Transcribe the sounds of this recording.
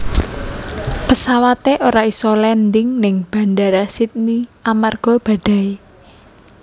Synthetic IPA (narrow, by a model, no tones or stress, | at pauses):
pəsawat̪eʔoɾaisɔlɛnd̪ɪŋnɪŋb̥a̤ndaɾasit̪̚niamarɡ̥ɔ̤b̥a̤ɖ̥a̤i